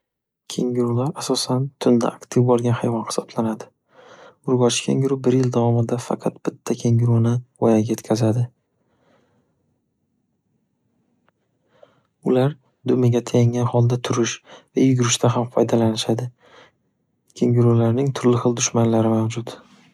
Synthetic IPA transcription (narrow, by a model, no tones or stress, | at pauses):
kʲʰe̞ŋɡʲɪɾʊlaɾasɒsant̪ʰʊnd̪a̰ʔːkt̪ʰɪvbɒɾɡʲanhajvɒnhɪ̥sɒb̥lanad̪ɪ | ʊɾɡɒt͡ʃkʲʰa̰ŋɡʲʊɾʊbɪɾjɪld̪avɒmɪd̪afɑ̰qʰɑt̪̚b̥ɪt̪ʰːakʲʰe̞ŋɡʲɪɾʊnɪɒjaɡʲaje̞t̪kʲʰazad̪ɪ | ʊlaɾ | d̪ʊmɪɡʲat̪ʰajaŋʲanhɒlˠd̪at̪ʰʊɾɪʃvajʊɡʲʊɾɪʃt̪aɦamfʰɒjd̪alanɪʃad̪ɪ | kʲʰe̞ŋɡʲɪɾulaɾnɪŋt̪ʰʊɾlɪχɨlˠd̪ʊʃmanlaɾɪmawd͡ʒʊt̪